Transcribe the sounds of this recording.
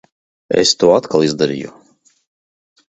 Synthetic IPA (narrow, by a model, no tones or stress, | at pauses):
ḛst̪uɔat̪kalˠizd̪aɾḭjṵ